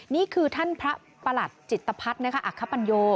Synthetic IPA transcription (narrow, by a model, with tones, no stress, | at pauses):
niː˦˥˩kʰɯː˧t̪ʰa˥˩npʰɾa˦˥ | pa˧la˨˩t̪̚t͡ɕi˨˩t̪ːa˧pʰa˦˥t̪̚na˦˥kʰa˦˥ʔa˨˩kʰːa˦˥pa˧njoː˧